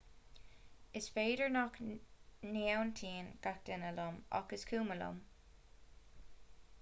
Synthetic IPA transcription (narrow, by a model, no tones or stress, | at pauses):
ɪsfeːdəɹnɔk | newnt̪ʰiːnɡ̥ak̚d̪̥ɪnəlʊmɑ̰kəskʰuːməlʊ̰m